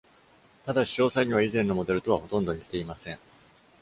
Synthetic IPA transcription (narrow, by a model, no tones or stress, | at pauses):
t̪ad̪aɕi̥o̞ːsaiɲ̟iβaizẽ̞nːo̞mo̞d̪e̞ɾɯ̟t̪o̞βaho̞t̪õ̞nd̪o̞ɲ̟ikʲt̪e̞imasẽ̞ɴ